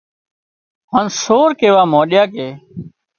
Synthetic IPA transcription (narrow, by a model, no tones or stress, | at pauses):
ɦaːnsoːɾkeːʋaːmõːɗɪjaːkeː